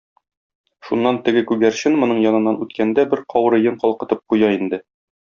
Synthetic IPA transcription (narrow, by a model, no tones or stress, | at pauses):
ʃunːɑnt̪ɘ̆ɡɘkʉɡæɾɕɘnmŏnɤɴjɒnɤ̆nːɑnʉt̪kænd̪æbɘɾqʰɒwɾɤ̆jɤɴqɒlˠqɤ̆t̪ɤp̚qujɑind̪ɘ